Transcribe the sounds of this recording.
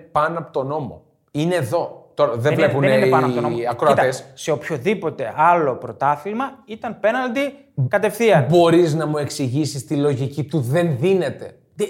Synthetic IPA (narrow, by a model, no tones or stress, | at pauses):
pɐnoɐpot̪o̞no̞mo̞̰ | ine̞ːðo̞t̪o̞ɾɐðevlepunɐnɐonɐkɾoɐt̪ɐesse̞opço̞ðipo̞t̪e̞ɐlo̞pɾo̞t̪ɐθimɐit̪ɐnpe̞nɐld̪i | kɐt̪e̞fθiɐbo̞ɾiznɐmue̞ksiʝisist̪ilo̞ʝicit̪uðe̞nðine̞t̪e̞